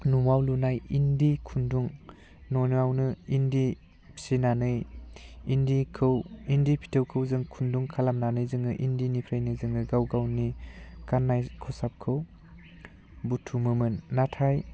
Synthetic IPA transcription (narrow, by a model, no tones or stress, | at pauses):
numawlunajindikʰunduŋ | nɔjnawnɯindi | sinanɯjindikʰɯwindipʰi̥tʰɯwkʰɯwzɯŋkʰunduŋkʰalamnanɯjzɯŋɯʔindinipʰɾajnɯzɯŋɯɡawɡawnikanːajkʰɯwsap̚kʰɯw | butʰumɯmɯnːatʰaj